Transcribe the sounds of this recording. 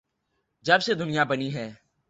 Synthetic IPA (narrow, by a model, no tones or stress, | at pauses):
d͡ʒəbseːd̪ʊnɪjaːbəniːɦɛː